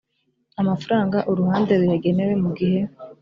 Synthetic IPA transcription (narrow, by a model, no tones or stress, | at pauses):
amafuɾaːŋɡaʔoɾuhaːndeɾujaɡe̞newe̞muɡihe̞